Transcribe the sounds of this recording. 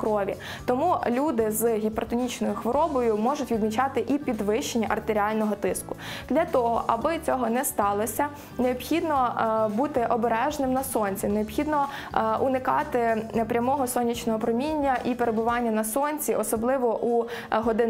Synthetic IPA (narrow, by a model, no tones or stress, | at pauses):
kɾɔʋʲḭ | t̪ɔmulʲud̪ɪzɦʲipɾt̪ɔnʲit͡ʃnɔjʊxʋɔɾɔbɔjʊmɔʒʊtʲʋʲid̪mʲit͡ʃɑt̪ɪʔipʲid̪ʋɪʃenʲːɐʔɐrt̪eɾʲiɑlʲnɔɦɔt̪ɪskʊ̥d̪̥lʲɐt̪ɔɦɔ̰ʔɐbɪt͡sʲɔɦɔnɛst̪ɑlˠɔsʲɐ | neɔbxʲid̪nɔbut̪ɪʔɔbeɾɛʒnɪmnɐsɔnʲt͡sʲineɔpxʲid̪nɔ | ʔunɪkɑt̪ɪpɾʲɐmɔɦɔsɔnʲit͡ʃnɔɦɔpɾɔmʲinʲːɐʔipeɾebʊʋɑnʲːɐnɐsɔnʲt͡sʲiʔɔsɔblˠɪʋɔʔu | ɦɔd̪ɪ